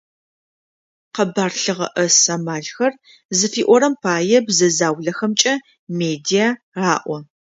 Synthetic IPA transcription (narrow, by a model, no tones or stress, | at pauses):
qɐbaːrɬɨʁɐ̰ʔɐsamaːɮxɐr | zɨfiːʔʷɔɾɐmpʰaːjɛbzɐzaːwɮɐxɐmt͡ʃʼɐ | meːdijaː | raːʔʷɔ